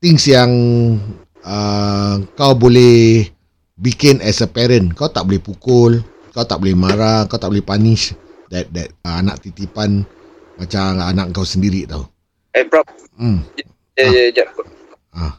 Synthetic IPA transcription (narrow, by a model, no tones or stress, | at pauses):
t̪ɪŋsjaŋ | ə | kawbolɛh | bikɪnɛsəpɛɾənkawt̪aʔbolɛhpukʊl | kawt̪aʔbolɛhmaɾakawt̪aʔbolɛhpaniʃdɛt̪̚dɛt̪̚anaʔ̚t̪it̪ipan | mat͡ʃamanaʔkawsəndiɾit̪au | apɹɔp | mj | jajad͡ʒa | a